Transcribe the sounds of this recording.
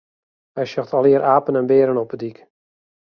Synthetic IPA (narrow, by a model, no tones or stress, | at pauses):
hɛjsɔxtʰaliəɾʔaːpənɛnbeːɾənɔpədik